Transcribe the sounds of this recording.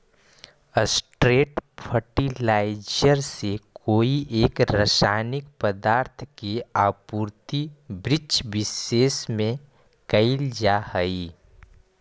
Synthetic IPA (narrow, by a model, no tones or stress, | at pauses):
əsʈɾeːʈpʰəʈilaːɪd͡ʒəɾsekoːiʔeːkɾəsaːnɪkpəd̪aːɾt̪ʰkeaːpuːɾt̪ibɾɪt͡ʃbɪseːsmẽ | kɐɪld͡ʒahəi